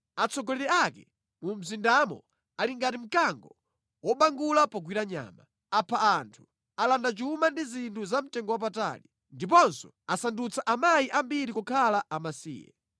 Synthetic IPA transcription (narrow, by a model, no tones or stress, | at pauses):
at͡sʰɔɡɔlɛɾɛakɛ | mum̩zindamɔ̰ | aliŋɡatim̩kaŋɡɔ | wɔɓaŋɡulapɔɡwiɾaɲa̰ːma | apʰaantʰu̥ | alandat͡ʃumandizintʰuzam̩tɛŋɡɔwap̬ata̰li | ndip̬ɔnsɔ̥ | asandut͡sʰaʔamajiʔambiɾikukʰalaʔamasḭːjɛ̰